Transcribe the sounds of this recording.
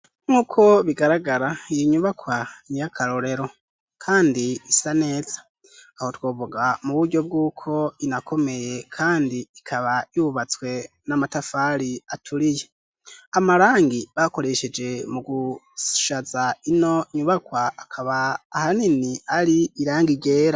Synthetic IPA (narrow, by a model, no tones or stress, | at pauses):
ŋuːkʰo̞βiɡaɾaɡaɾaijiɲuβakwanijakʰaɾo̞ɾe̞ɾo̞ | kʰaːndiːsane̞ːz̥ḁ | aho̞twoːvuɡamuβuɾɟo̞b̚ɡuːkʰo̞inakʰo̞me̞je̞kʰaːndiːkʰaβajuβat͡swe̞ | namatafaɾiatʰuɾije̞ | amaɾaːŋɡiβako̞ɾe̞ʃe̞d͡ʒe̞muɡuʃazaino̞ɲuβakwaːkʰaβaːhaniniaɾiiɾaːŋɡiɡe̞ːɾa